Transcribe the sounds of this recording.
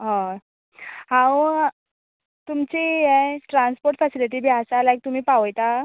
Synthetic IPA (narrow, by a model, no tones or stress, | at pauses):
ɦã | hãw | t̪umt͡ɕijeʈɾãnspoɾʈfɛsiliʈ̬ibʱiasalajk̚t̪um̤iːpaʋəjt̪a